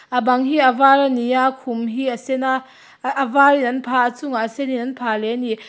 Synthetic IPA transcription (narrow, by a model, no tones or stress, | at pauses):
ʔɐbɐŋɦiɐvaɾanijakʰumɦisɛn | ʔvarinɐnpʰaːət͡suŋaʔsɛninɐnpʰalɛni